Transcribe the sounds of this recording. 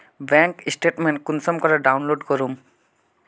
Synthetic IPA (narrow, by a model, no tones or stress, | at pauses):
bɛŋkisʈeʈmenʈ̚kunsɔmkɔɾaɖawnloɖkɔɾum